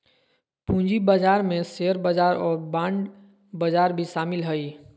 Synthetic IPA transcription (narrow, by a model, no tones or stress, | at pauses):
pũːɲd͡ʒibad͡ʒaːɾmẽseəɾbəd͡ʒaːɾɔːɾbãːɳɖ | bəd͡ʒaːɾbʱiʃaːmɪlɦəi